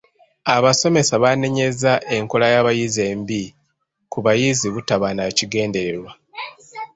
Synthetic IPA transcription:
aβaso̞me̞saβane̞ɲe̞zaʔe̞ŋko̞lajaːβajize̞ːmbi | kuβajiziβutaβanaeciɡe̞ːnde̞ɾeɾwa

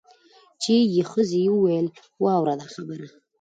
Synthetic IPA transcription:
t͡ʃejexəzijwəwajəl | wɑwɾad̪ɑxabəɾa

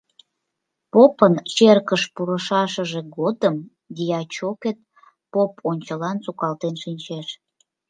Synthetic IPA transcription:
popənt͡ɕerkəʃpuɾəʃɑʃəʒeɡod̪əm | d̪ʲijɑt͡ɕoket̪̚ | popʰonʲt͡ɕəlɑnt͡sukɑlt̪enʃinʲt͡ɕeʃ

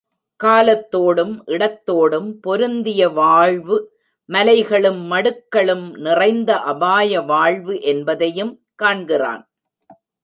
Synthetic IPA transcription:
kaːlɐt̪ːoːɽɯmʔɪɽɐt̪ːoːɽɯmpɔɾɯnd̪ɪjɐʋaːɻʋɯ | mɐlɐɪɣɐɭɯmːɐɽɯkːɐɭɯmnɪrɐɪnd̪ɐʔɐbaːjɐʋaːɻʋɯʔɛnbɐðɐjɯm | kaːɳɡɪra̰ːn

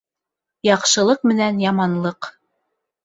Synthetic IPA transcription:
jɑqʃɤ̆lˠɤqmɘ̆nænjɑmɑnlˠɤq

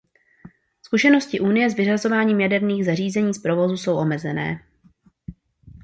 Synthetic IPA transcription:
skuʃɛno̞scɪʔunɪjɛzvɪrazo̞vaːɲiːmjadɛɾniːɣzariːzɛɲiːspɾo̞vo̞zuso̞wʔo̞mɛzɛnɛ̰ː

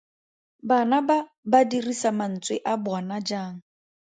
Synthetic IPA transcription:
banaba | badirisaman̩t͡sʼwɪʔabanad͡ʒaːŋ̩

